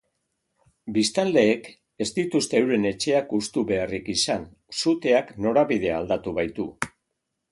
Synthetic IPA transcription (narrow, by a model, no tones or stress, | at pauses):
bist̪ald̪e̞ːk | e̞zd̪it̪ust̪e̞ːwɾe̞ne̞t͡ʃe̞akust̪uβe̞arikisan | sut̪e̞akno̞ɾaβið̞e̞ald̪at̪uβajt̪u